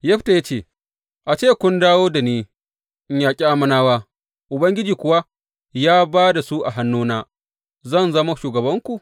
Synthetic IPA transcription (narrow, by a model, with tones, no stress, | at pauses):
jɐ˦ɸta˨ja˦t͡ʃeː˦˨ | ʔa˨t͡ʃeː˦kʷʊ˦ndaː˦woː˦da˨neː˦ | ɪ˨ɲjaː˨kʲʼi˦ʔa˦mɐ˦naː˦waː˦ | ʔʊ˨bɐ˦ŋɡʲɪ˦d͡ʒiː˨kʷʊ˦wa˦ | jaː˦baː˦da˨su˦ʔa˨ɦa˦nːuː˦naː˦ | zɐ˦˨nzɐ˦ma˦ʃuː˨ɡɐ˨bɐ˦ŋkʷu˨